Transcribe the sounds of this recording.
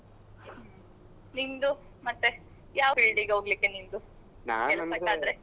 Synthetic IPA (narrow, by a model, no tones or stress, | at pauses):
nind̪u | mɐt̪ːe | jaːʋiɭɖiɡɦoːɡlikːenind̪u | naelbeaːd̪ɾe